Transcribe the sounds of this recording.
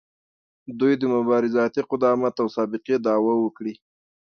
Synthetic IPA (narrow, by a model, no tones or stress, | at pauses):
d̪ujd̪əmʊbɑɾɪzɑt̪iqʊd̪ɑmat̪awsɑbɪqed̪ɑwawəkɽi